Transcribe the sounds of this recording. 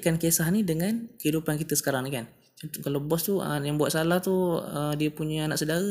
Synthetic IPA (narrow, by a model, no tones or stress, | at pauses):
kankesahnidəŋankəɦidupankit̪əsə̥kaɾaŋnikan | at̪kalabɔst̪uə̰jaŋbuat̪salaht̪uədiəpuɲəanaʔsədaɣə